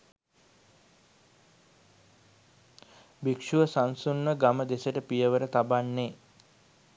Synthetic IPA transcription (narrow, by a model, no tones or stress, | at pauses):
bikʂuʋəsansunməɡaməd̪esəʈəpijəʋəɾət̪abanːe